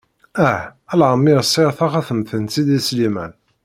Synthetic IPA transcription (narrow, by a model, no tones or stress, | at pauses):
æælʕəmːiɾsˤːiɾθɑχæθəmθənt̪id̪islimæ̰n